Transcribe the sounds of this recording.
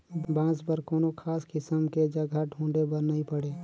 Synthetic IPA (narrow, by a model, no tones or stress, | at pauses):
bãːspəɾkoːnokʰaːskɪsəmked͡ʒɐɡʱaʈʰũːɳɖebəɾnɐĩpəɽeː